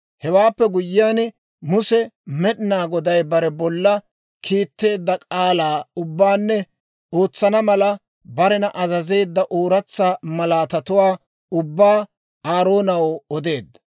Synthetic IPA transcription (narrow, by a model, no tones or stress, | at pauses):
hɛwaːpːɛɡʊjːɪjaːn | mʊsɛmɛɗɪnaːɡɔd̪ɐjbɐɾɛbɔlːɐ | kʰiːt̪ːe̞ːd̪ːɐkʼaːlaːʊbːaːnːɛ | oːt͡sːɐnɐmɐlɐ | bɐɾɛnɐʔɐzɐze̞ːd̪ːɐʔoːɾɐt͡sːamɐlaːt̪ɐt̪ʊwaː | ʊbːaː | aːɾoːnɐwɔd̪e̞ːd̪ːɐ̥